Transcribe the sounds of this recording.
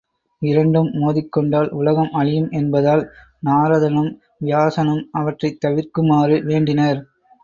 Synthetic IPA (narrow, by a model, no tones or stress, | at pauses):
ɪɾɐɳɖɯmːoːðɪkːɔɳɖaːlʊlɐɣɐmʔɐɻɪjɯmʔɛnbɐðaːl | naːɾɐðɐnɯm | ʋɪjaːsɐnɯmɐʋɐʈrɐɪt̪ːɐʋɪɾkɯmaːɾɯʋeːɳɖɪnɐɾ